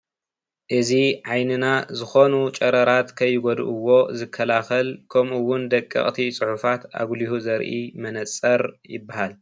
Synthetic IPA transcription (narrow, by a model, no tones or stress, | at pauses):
ʔɨziʕajnɨnazɨxo̞nut͡ʃʼɐɾɐɾat̪kʰɐjːɪɡod̪̰ʔɨwːo̞zɨkʰːɐlaxɐlkʰomʔuwʊnd̪ɐkʼːɨ̰χʼt̪ʰit͡sʼɨħufat̪a̰ɡlihuzɐɾʔḭmɐnɐt͡sʼːɐɾjɪbːahal